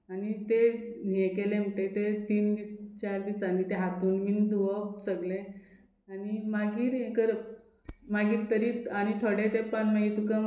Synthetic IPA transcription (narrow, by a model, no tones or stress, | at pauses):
añit̪enijekelem̤əʈet̪et̪iːnd̪ist͡ɕaɾd̪isaniːt̪eɦat̪uːnmind̪uʋət͡səɡle | añimaɡiːɾekəɾ | maɡiːɾt̪əɾiːaɽ̃it̪ʰoɽet̪epanməɡit̪ukə